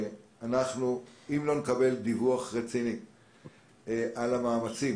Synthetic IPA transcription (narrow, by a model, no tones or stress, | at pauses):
anaχnuimlo̞nekabe̞ld̪ivuaχʁet͡sini | ʔalamaːmat͡sim